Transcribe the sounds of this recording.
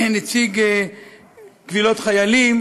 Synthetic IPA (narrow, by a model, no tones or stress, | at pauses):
net͡siɡe | ɡvilo̞t̪χajalim